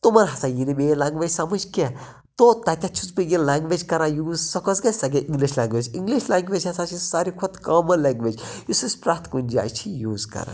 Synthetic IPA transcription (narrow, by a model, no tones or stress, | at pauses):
t̪umɐnɦɐsajinimeːlãːŋɡʋed͡ʒsɐmɐd͡ʒkʲe | t̪ot̪ɐt̪ʲat͡ʃʰuzpɨjilaːŋɡʋed͡ʒkɐɾãjuːzsɐkɔsɡɐsɐɡeʔiŋɡliʃlaːŋɡʋed͡ʒiŋɡliʃlaːŋɡʋeːd͡ʒɦɐsat͡ʃʰisaɾikʰut̪kaːmɐlaːŋɡʋed͡ʒjisuspɾaːt̪ʰkund͡ʒa̰ːjt͡ʃʰijuːzkɐ̰ɾa̰